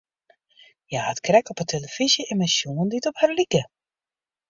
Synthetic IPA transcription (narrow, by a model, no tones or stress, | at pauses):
jaətkrɛkɔpətʰeləfizjəɪnmɛnsjuənditɔpharlikə